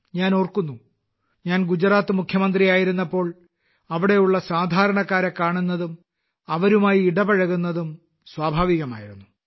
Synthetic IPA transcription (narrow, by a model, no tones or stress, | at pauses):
ɲaːnoːrkunːu | ɲaːnɡud͡ʑraːt̪ːɨmukʰjɐmɐnd̪rijaːjiɾunːɐpːo̞ːɭ | ɐʋiɽe̞juɭːɐsaːd̪ʱaːɾɐɳɐkːaːɾɐkːaːɳunːɐðum | ɐʋɐɾumaːjiːɽɐbɐɻɐɣunːɐðum | swaːbʱaːʋiɣɐma̰ːjiɾunːu